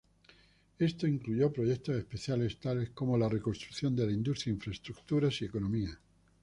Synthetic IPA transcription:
e̞st̪oiŋkluʝo̞pɾo̞ʝek̚t̪ose̞spe̞θjale̞st̪ale̞sko̞mo̞lare̞konst̪ɾuθjo̞nd̪elaind̪ust̪ɾjaiɱfɾaest̪ɾukt̪uɾasie̞ko̞nomia

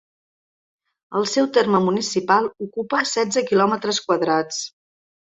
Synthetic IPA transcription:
əlˠsɛwt̪erməmunisipalˠukupəsɛd͡zəkilɔmət̪ɾəskwəðɾat͡s

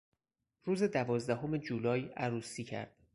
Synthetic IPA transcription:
ruːze̞d̪ævɒːzd̪æɦome̞d͡ʒuːlɒːjæɾuːsiːcʰæ̰ɾd̪̥

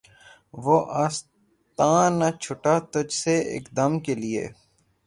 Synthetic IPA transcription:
ʋoʔaːs | t̪ãːnːat͡ʃʰʊʈat̪ʊd͡ʒseɪ̰kd̪ɐmkeliḛː

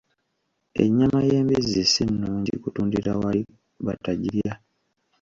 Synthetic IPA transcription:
ḛɲːamaje̞ːmbizisinːuːɲɟḭkutuːndiɾawai | βa̰taɟiɾja

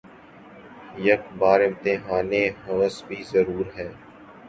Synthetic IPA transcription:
jɐkbaːɾɪ̃mt̪ɪɦaːneɦəːsbʱiːzəɾuːɾɦɛː

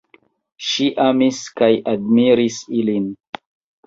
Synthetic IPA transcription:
ʃiʔamiskajʔadmiɾisilin

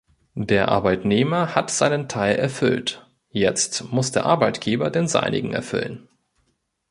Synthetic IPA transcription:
deːɐʔa̰ɐbaɪtneːmɐhatz̥aɪnəntʰaɪlʔɛɐfʏ̰lt | jɛt͡stmʊsd̥eːɐʔaɐbaɪtɡ̥eːbɐdeːnza̰ɪnɪ̰ɡŋ̩ɛ̰ɐfʏ̰lən

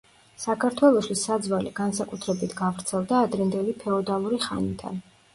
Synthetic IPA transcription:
sakʰaɾt̪ʰwɛlˠɔst̪ʰwisːad̪zvalḭɡ̥ansakʼut̪ʰɾɛbit̪ʰɡavɾt̪sʰɛlˠd̪aːd̪ɾɛnd̪ɛlipʰɛɔd̪alˠuɾiχa̰nid̪a̰n

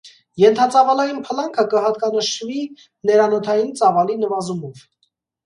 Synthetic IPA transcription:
jɛnt̪ʰɑt͡sɑvɑlɑjinpʰəlɑŋkʰəkəɦɑt̪̚kɑnəʃvi | nɛɾɑnɔt̪ʰɑjint͡sɑvɑlinəvɑzumɔv

